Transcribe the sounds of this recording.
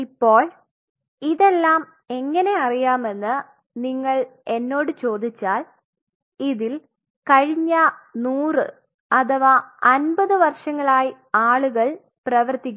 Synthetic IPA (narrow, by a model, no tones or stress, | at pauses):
ipːo̞ːɭ | iðe̞lːaːm | e̞ŋːɐne̞ɐrijaːme̞nːɨ | niŋːɐɭe̞nːo̞ːɽɨt͡ɕo̞ːd̪it͡ɕːaːl | iðil | kɐɻiɲːɐnuːrɨ | ɐt̪ʰɐʋaːɐnbɐðɨʋɐrʂɐŋːɐɭaːji | aːɭuɣɐɭ | prɐʋɐrt̪ik̬ʲː